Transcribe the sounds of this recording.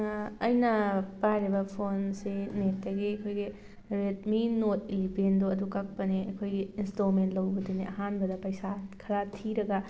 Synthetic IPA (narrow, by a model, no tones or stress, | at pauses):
ɐjnɐpaɾibɐpʰonsinetːɐɡiɐkʰojɡi | ɾet̚minot̚ilibendoɐdukak̚pɐniɐkʰojɡiːnstomentlɐwbɐdeniʔɐɦanbɐdɐpɐjsakʰɐɾatʰiɾɐɡɐ